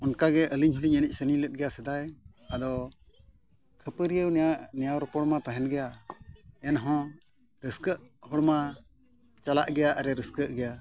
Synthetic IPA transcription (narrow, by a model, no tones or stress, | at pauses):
ɔnkaɡɛʔəliɲɦuliɲənic̚ˀsənilɛt̪̚ˀɡɛjasɛd̪aj | ad̪ɔ | kʰəpəɾijəwnɛjawɾɔpɔɽmat̪aɦɛnɡɛja | ɛnɦɔ̃ | ɾəskəʔhɔɽma | t͡ʃalaʔɡɛjaʔaɾɛɾəskəʔɡɛja